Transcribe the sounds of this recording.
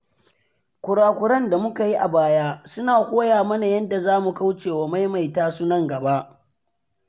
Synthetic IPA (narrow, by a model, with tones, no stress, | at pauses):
kʷʊ˨ɽaː˨kʷʊ˨ɽɐ˦nda˨mʊ˦ka˨ji˦ʔa˨baː˦jaː˦sʊ˦naː˨kʷoː˦jaː˨mɐ˦na˨jɐ˦nda˨zaː˦mu˨ka˦wt͡ʃeː˨waː˨ma˦jma˨jtaː˦sʊ˦nɐ˦ŋɡɐ˨ba˦ʔ